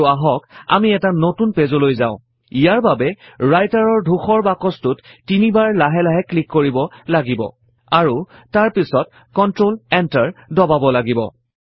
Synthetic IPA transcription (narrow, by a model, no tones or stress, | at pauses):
aɦɔka̰miɛtanotunpezolojzaʊ̃ | ijaɹbabɛɹajtaɹɔɹdʱuxɔɹbakɔstʊtːinibaɹlaɦɛlaɦɛklikːoɹibɔlaɡibɔ̰ | aɹutaɹpisɔt̚ | kɔntɹolɛntaɹdɔbabɔlaɡibɔ̰